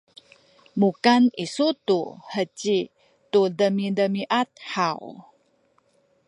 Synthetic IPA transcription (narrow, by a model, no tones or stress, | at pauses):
mukanisut̪uhət͡ɕi | tudəmidəmiʔat̪̚ħaw